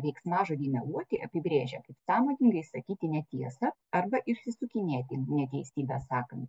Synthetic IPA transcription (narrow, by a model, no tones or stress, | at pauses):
ʋʲɛɪksmɑːʒoːd̪ʲiːnʲɛuɔt̪ʲɪʔɐpʲɪbʲɾʲeːʒʲɛkɐɪpsɑːmoːnʲɪŋɡɐɪsɐkʲiːt̪ʲɪnʲɛt̪ʲiɛsɐ | ɐrbɐʔɪʃʲsʲɪsʊkʲɪnʲeːt̪ʲɪnʲɛt̪ʲɛɪsʲiːbʲɛsɑːkɐnt̪